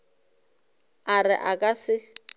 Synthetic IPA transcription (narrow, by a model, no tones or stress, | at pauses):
arɪʔakʼasɪ